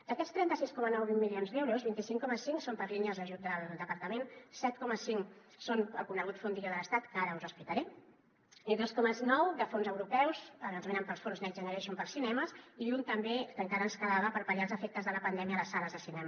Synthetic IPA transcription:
d̪əkɛt̪st̪ɾɛnt̪əsiskɔmənɔwβimmːilionzðɛwɾuzβint̪isiŋkɔməsiŋsompəɾʎiɲəzðəʒut̪d̪əld̪əpəɾt̪əmensɛt̪̚kɔməsiŋ | sonəlkunəɣut̪fond̪iʎoðələst̪at̪kəaɾəuzəspit̪əɾɛ | iðoskɔməznɔwd̪əfonzəwɾupɛwzənanzmenəmpəlˠsfonznɛʒənəɾɛʃumpəlˠsinɛməsiunt̪əmbekəŋkaɾəːnskəlaβəpəɾpəʎalˠzəfek̚t̪əzðələpənd̪ɛmiələsːaləzðəsinɛm

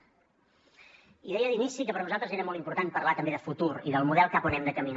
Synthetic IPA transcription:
iðɛjəðinisikəpəɾnuzalˠt̪ɾəzeɾəmɔlˠt̪impuɾt̪anpərlat̪əmbeðəfut̪uɾḭðəlˠmuðɛlˠkaponɛmd̪əkəmin

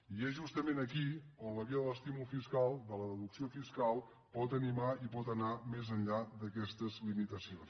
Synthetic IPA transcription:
iɛzʒust̪əmenəkionləβiəðələst̪imulˠfiskalˠd̪ələðəðuksiofiskalˠ | pɔt̪ənimaipɔt̪ənamezənʎad̪əkɛst̪əzlimit̪əsions

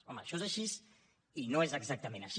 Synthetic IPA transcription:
ɔməʃɔezaʃis | inoezəɡzak̚t̪əmẽnaʃ

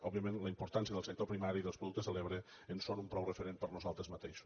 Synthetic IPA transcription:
ɔbiəmẽnləimpuɾt̪ansiəðəlˠsək̚t̪opɾimaɾiːðəlspɾuðuk̚t̪əzəleβɾəənsonumpɾɔwrəfəɾenpəɾnuzalˠt̪ɾəzmət̪eʃu̥

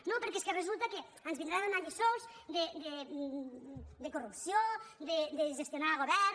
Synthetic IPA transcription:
nõpeɾkeskerezult̪ake | anzβĩnd̪ɾanonaʎesowzd̪ed̪e | d̪ekorupsjod̪ed̪eʒest̪jonaɾɣoβɛɾ

